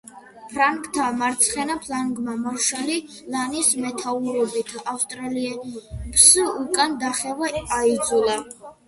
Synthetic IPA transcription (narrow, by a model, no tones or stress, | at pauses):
pʰɾaŋkʰʼt̪ʰamaɾt̪sʰχɛnapʰlaŋɡmamaʃali | lanismɛt̪ʰauɾɔbit̪ʰafst̪ʼɾaliɛpsukʼand̪aχɛvaːid̪zulˠa